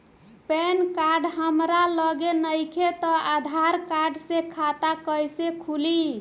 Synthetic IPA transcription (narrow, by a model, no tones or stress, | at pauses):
pɛnkaɾɖɦəmɾaləɡenəjkʰet̪ɔad̪ʱaɾkaɾɖsekʰat̪akəjsekʰuli